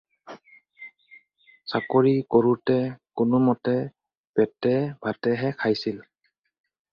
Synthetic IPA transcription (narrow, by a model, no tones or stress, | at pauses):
sakoɹikoɹutɛkʊnʊmɔtɛ | pɛtɛb̥ʱatɛɦɛkʰajsil